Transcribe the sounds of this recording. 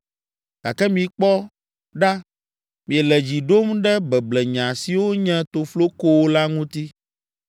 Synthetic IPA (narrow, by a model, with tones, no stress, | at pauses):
ɡ̥a˨kɛ˦mĩ˨k͡pɔ˦ | ɖa˦ | mĩ˨ɛ˨lɛ˨d͡ʑi˨ɖo˦mɖɛ˦bɛ˨blɛ˨ɲã˨si˨wo˦ɲɛ̃˦t̪o˨flo˦ko˦wo˦la˦ŋũ˦t̪i˦